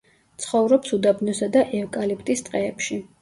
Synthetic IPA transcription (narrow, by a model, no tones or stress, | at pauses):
t̪sʰχɔvɾɔpsud̪abnɔsad̪aʔɛvkʼalip̚ʰt̪ʼist̪ʼqʼɛːpʃi